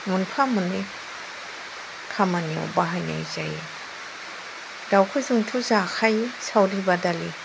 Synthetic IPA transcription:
munpʰamuni | kʰamania̰wbaɦajna̰jzaje | dawkʰujzuŋtʰuzakʰajsawɾibadali

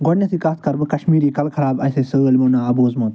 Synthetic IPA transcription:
ɡonʲjɐsikaːt̪kɐɾbɨkɐʃmiːɾiːkɐlkʰɐɾaːbɐseːsɨːlmoːnaːɐboːzmoːt̪

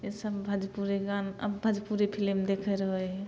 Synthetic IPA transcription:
esəbbʱəd͡ʒpuɾeɡanə̰bbʱəd͡ʒpuɾepʰilimd̪ekʰɛɾɦojɦɛ

